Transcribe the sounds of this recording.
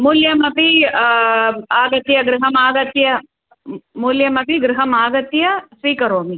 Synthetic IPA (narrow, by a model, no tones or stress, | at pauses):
muljɐmɐpi | aːɡɐt̪jɐɡɾɪɦɐmaːɡɐt̪jɐ | muljɐmɐpiɡɾɪɦɐmaːɡɐt̪jɐsʋiːkɐɾoːmi